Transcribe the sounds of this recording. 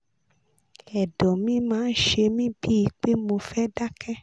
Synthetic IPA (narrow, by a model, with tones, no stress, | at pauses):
ɛ˨dɔ̃˨mĩ˨˦mãː˨˦n̩˦ʃe˧mĩ˦bi˦i˧k͡pe˦mo˧fɛ˦da˦kʰɛ˦